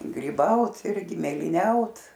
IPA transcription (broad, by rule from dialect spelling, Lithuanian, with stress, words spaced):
ɡrʲiːˈbɐʊt ˈɪrʲɡʲɪ mʲeːlʲiːˈnʲɛʊt